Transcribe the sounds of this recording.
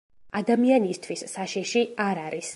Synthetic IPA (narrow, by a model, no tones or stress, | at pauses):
ad̪amianist̪ʰwisːaʃɛʃiaɾaɾis